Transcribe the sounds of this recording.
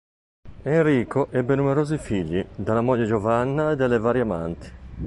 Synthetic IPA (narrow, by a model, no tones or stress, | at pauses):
enriːkoʔɛbːenumeɾoːzifiʎːid̪alːamɔʎːed͡ʒovanːaed̪alːevaːɾjama̰nt̪i̥